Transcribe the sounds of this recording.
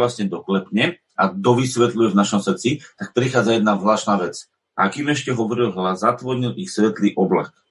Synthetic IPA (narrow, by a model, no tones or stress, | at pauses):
lasɲɛd̪ɔklɛpɲɛ | ʔad̪ɔʋisʋɛt̪lujɛvnaʃɔmsɾt͡sit̪ak̚pɾixaːd͡zajɛd̪nazlaːʃnaːʋɛt͡s | ʔa̰kimɛʃcɛɦɔʋɔɾilɦlazat̪ʋɔɾɲilʔixsʋɛt̪liːʔɔbla̰k